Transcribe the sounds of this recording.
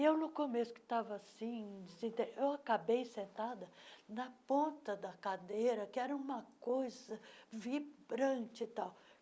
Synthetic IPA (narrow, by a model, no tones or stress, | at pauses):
ewnʊkomesʊ̥kɪ̥t̪avɐasĩsĩnt̪ẽɾʔewakabejsẽnt̪ad̪ɐnɐpõnt̪ɐd̪ɐkad̪ejɾɐkɪɛɾɐũmɐkojzɐvibɾɐ̃t͡ʃɪt̪aw